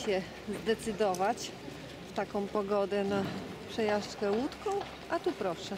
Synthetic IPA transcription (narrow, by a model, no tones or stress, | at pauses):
ɛ | zd̪ɛt̪sɘd̪ɔvat͡ɕ | ft̪akɔ̃w̃pɔɡɔd̪ɛnapʂɛjaʂt͡ʂkɛwut̪kɔ̃w̃ | ʔat̪upɾɔʂɛ